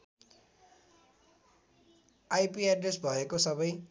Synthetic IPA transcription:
ajpiaɖresbʱʌekosʌbʌj

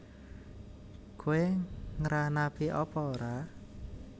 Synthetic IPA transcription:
koeŋəɾanapiʔɔpɔɾa

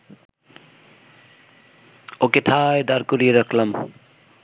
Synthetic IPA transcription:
okeʈʰaːjd̪aɾkuɾiɾʌkʰlɐm

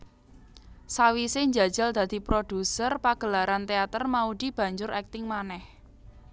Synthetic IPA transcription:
sawiseɲd͡ʒa̤d̥ʒ̥a̤ld̪̥ä̤d̪̥i̤pɾʔod̪̥usərpaɡ̥ə̤laɾant̪eat̪ərmaud̪̥i̤b̥ä̤ɲd͡ʒʊɾɛk̚t̪ɪŋmanɛh

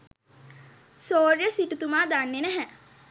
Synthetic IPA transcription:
soːɾjəsiʈut̪umaːd̪anːenæɦɛ

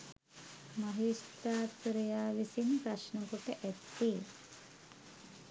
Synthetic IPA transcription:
maɦisʈ̪aːt̪ɾejaːʋisinpɾaʃnəkoʈəʔæt̪ːeː

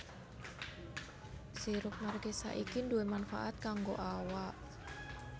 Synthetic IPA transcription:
siɾʊp̚marɡɛsa̰ʔikinduemanfa̰ʔat̪̚kaŋɡoʔawaʔ

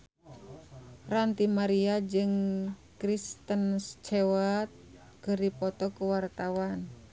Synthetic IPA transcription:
rant̪imaɾiad͡ʒɨŋkɾist̪ənst͡ʃɛwat̪̚ | kəɾipɔt̪ɔkuwart̪awan

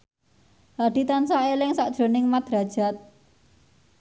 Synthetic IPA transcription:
haɖ̥i̤t̪ansaelɪŋsaʔd̥ʒ̥ɾo̤nɪŋmad̪̥ɾa̤d̥ʒ̥a̤t̪̚

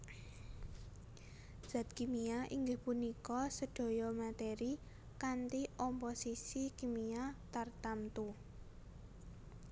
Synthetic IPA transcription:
d̥z̥a̤t̪̚kimiaʔiŋɡɪhpunikɔsəɖ̥ɔ̤jɔmat̪eɾi | kant̪iɔmposisikimiat̪art̪amt̪u

